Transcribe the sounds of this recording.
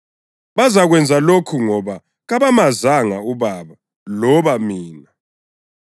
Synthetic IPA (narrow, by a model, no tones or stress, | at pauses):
βazaɣwɛnd͡zʱalokʰuŋɔβa | ɣaβamazaŋauβaβa | lɔβamiːna